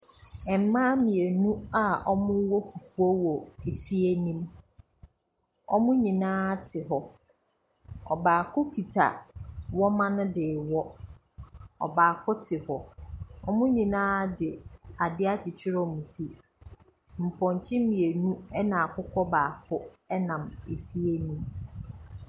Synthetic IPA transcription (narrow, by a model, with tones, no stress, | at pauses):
ɛ˨m̩˦mːãː˦mĩ˨e˨nũ˦a˦˨ɔ˦mʊ̃˦wɔ˦fu˨fu˦ɔ˦wɔ˨e˨fi˦e˦nĩ˦m | ɔ̰˦mʊ̃˦ɲĩ˨nãː˦tʰɪ˨ɦɔ˨ | ɔ̰˨baː˨kʰʊ˦kʰi˨tʰa̰˨wɔ˦mã˦nʊ̃˦dɪː˨wɔ˦ | ɔ̰˨baː˨kʰʊ˦tʰɪ˨hɔ˨ɔ˦mʊ̃˦ɲĩ˨nãː˦dɪ˨a˨dɪ˦a˦t͡ɕʰɪ˨t͡ɕʰɪ˦ɾɔ˦mũ˨tʰi˦ | m̩˨pʰɔ̃˨ɲ˨t͡ɕʰɪ˦mĩ˨e˨nũ˦ɛ˦nã˨a˨kʰʊ˦kʰɔ˦baː˨kʰʊ˦ | ɛ˦nã˨me˨fi˦e˦nĩ˦m